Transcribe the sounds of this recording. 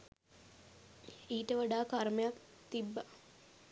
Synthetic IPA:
iːʈəʋaɖaːkarməjakt̪ibːa

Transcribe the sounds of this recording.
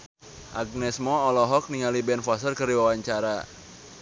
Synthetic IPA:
ʔaɡ̚nɛsmɔːlɔɦɔk̚niŋalibɛnfasərkəɾiwawaɲt͡ʃaɾa

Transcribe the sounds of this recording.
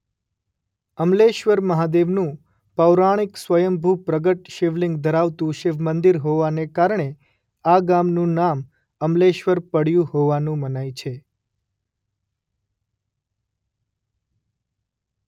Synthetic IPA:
əmleʃʋəɾməɦad̪eʋnũ | pəʋɾaɽ̃iksʋəjəmbʱupɾəɡəʈʃiʋliŋɡd̪ʱəɾaʋt̪ũʃɪʋmənd̪iɾɦoʋanekaɾɳe | aɡamnũnam | əmleʃʋəɾpəɽjũɦoʋanũmənajt͡ʃʰe

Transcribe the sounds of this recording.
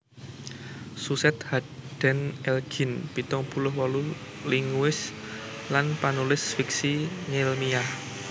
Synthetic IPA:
susɛt̪haɖ̪̥ɛ̤nɛlɡ̥i̤nb̥it̪ɔŋb̥ṳlʊhwɔlu | liŋwɪslanpanulɪsfik̚siɲelmiah

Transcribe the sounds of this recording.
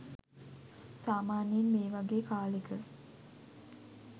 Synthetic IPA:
saːmaːnjenmeːʋaɡeːkaːlekə

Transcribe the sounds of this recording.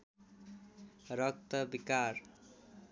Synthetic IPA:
rʌk̚t̪ʌbikar

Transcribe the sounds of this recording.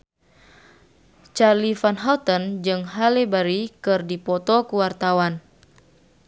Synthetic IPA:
t͡ʃarlifanɦalt̪ənd͡ʒɨŋɦalebaɾikɨrdipɔt̪ɔkuwart̪awan

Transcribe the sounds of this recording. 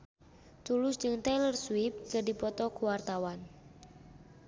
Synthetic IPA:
t̪ulʊsd͡ʒɨŋt̪alərswip̚kədipɔt̪ɔkuwart̪awan

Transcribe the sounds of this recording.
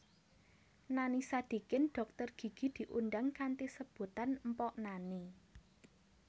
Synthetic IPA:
nanisad̪̥i̤kɪnɖ̥ɔ̤k̚t̪ərɡ̥i̤ɡ̥i̤d̪̥i̤ʔunɖaŋkant̪isəb̥ṳt̪anmpɔʔnani

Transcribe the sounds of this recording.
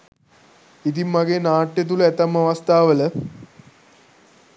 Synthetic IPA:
id̪imɐɡenaːʈːjɐt̪̬ulet̪ɐmɐʋɐst̪ʰaːʋɐl

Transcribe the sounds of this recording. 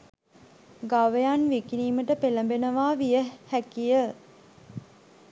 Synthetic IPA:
ɡaʋəjanʋikiniːməʈəpeləmbenəʋaːʋijəhækijə

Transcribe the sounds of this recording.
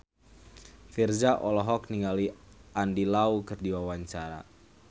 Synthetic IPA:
fird͡ʒaʔɔlɔɦɔk̚niŋaliʔandilaukɨrdiwawaɲt͡ʃaɾa̰

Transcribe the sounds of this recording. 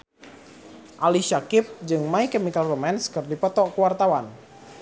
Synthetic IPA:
ʔaliʃakɪp̚d͡ʒɨŋmaikəmikalromɛnskɨrdipɔt̪ɔʔkuwart̪awan

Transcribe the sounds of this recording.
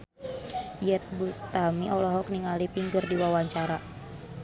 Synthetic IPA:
jɛt̪̚bust̪amiʔɔlɔɦɔkniŋalipiŋɡərdiwawaɲt͡ʃaɾa

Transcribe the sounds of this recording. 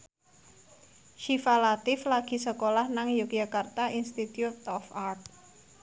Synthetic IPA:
ʃifalat̪ɪflaɡ̥i̤səkolahnaŋjuk̚jakart̪aʔinst̪it̪jut̪ɔfart̪̚

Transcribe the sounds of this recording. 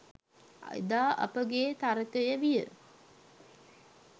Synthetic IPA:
d̪aːʔɐ̰pəɡeːt̪aɾəkəjəʋijə̰

